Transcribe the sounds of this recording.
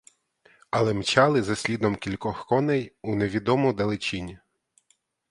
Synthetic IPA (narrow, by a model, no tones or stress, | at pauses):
ɐlˠɛmt͡ʃɑlˠɪzɐsʲlʲid̪ɔmkʲilʲkɔxkɔnɛjuneʋʲid̪ɔmʊd̪ɐlˠɪt͡ʃinʲi